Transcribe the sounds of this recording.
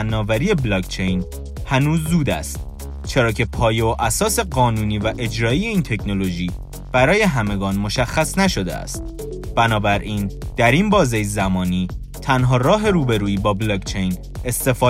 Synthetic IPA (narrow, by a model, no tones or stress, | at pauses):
nːɒːvæɾiːe̞blɒːkt͡ʃʰe̞jn | hænuːzːuːd̪æ̰st̪̚ | t͡ʃʰe̞ɾɒːcʰe̞pʰɒːjeoʔæsɒːse̞ɢɒːnuːniːvæʔe̞d͡ʒɾɒːijeiːnt̪ʰe̞cʰno̞lo̞ʒiː | b̥æɾɒːje̞ɦæme̞ɡɒːnmo̞ʃæxːæsnæʃo̞d̪ḛæ̰st̪̚ | b̥ænɒːbæɾʔiːnd̪̥æɾinbɒːzejzæmɒːniː | t̪ʰænɦɒːɾɒːɦe̞ɾuːbe̞ɾuːiːbɒːblɒːkt͡ʃʰe̞jn | e̞st̪e̞fɒː